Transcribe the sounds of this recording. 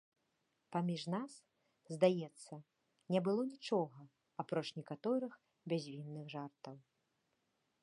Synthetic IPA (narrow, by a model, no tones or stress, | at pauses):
pamʲiʐnas | zd̪ajɛt̪sːɐ | nʲɛbɨlˠɔnʲit͡ʂɔɣɐ | apɾɔt͡ʂnʲɛkat̪ɔɾɨx | bʲazʲvʲinːɨɣʐart̪ɐw